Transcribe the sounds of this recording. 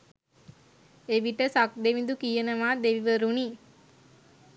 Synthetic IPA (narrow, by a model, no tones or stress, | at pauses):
eʋiʈəsak̚d̪eʋind̪ukijənəʋaːd̪eʋiʋəɾuni